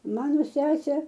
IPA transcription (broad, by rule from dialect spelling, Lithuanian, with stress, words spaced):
ˈmɑːnoː ˈsʲæːsʲeː